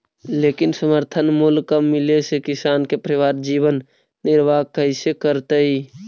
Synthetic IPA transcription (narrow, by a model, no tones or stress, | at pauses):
leːkɪnsəməɾt̪ʰənmulkamɪlesekɪsaːnkepɾəʋaːɾd͡ʒiːʋənː | ɪɾʋakəɪsekəɾt̪əi